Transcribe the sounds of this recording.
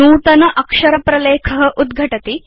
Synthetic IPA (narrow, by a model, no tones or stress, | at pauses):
nuːt̪ɐnɐʔɐkʂɐɾɐpɾɐleːkʰɐɦɐ̆ʔud̪ɡʱɐʈɐt̪i